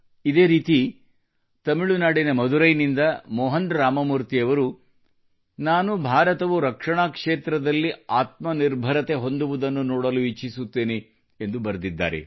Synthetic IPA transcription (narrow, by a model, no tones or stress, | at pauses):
id̪e̞ːɾiːt̪i | t̪ɐmiɭunaːɽinɐmɐd̪uɾɐjnind̪ɐmɔːɦɐnɾaːmɐmuɾt̪iɐʋɐɾu | naːnubʱaːɾɐt̪ɐʋuɾɐkʂɐɳaːkʂeːt̪ɾɐd̪ɐlːiaːt̪̚mɐniɾbʱɐɾɐt̪e̞ɦo̞nd̪uʋud̪ɐnːunɔːɽɐluit͡ʃisut̪ːeːne | end̪ubɐɾd̪id̪ːa̰ːɾḛ